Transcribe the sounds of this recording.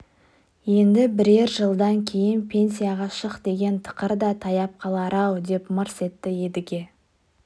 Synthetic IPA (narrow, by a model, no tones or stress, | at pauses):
je̞nd̪ɪbɪɾe̞ɾʒəlˠd̪ɑŋkʲʰe̞jɪnpʲʰe̞nsijaʁɑʃəqd̪e̞ɡʲe̞nt̪ʰə̥qəɾd̪ɑt̪ʰɑjɑp̚qʰɑlˠɑɾʔɑwd̪e̞pmɑɾse̞t̪ːɪje̞d̪ɪɡʲe̞